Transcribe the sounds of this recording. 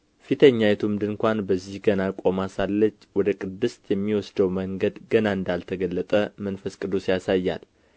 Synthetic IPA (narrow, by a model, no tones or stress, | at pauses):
fit̪ʰəɲːajɛt̪ʰumd̪ɨnkʷanbəzːihɡənakʼomasalːət͡ʃːwɔd̪əkʼɨd̪ːɨst̪ʰjɛmːiwɔsd̪əwməŋɡəd̪ɡənaɨnd̪alt̪ʰəɡəlːət̪ʼəmənfəskʼɨd̪osijasajːa̰l